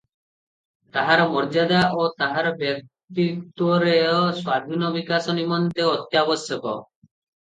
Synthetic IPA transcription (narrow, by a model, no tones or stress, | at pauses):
t̪aɦaɾɔmɔɾd͡ʒad̪aʔot̪aɦaɾɔbjɔk̚ | t̪it̪ɔɾeɔswad̪ʱinɔbikasɔnimɔnt̪eɔt̪jabɔsjɔkɔ̰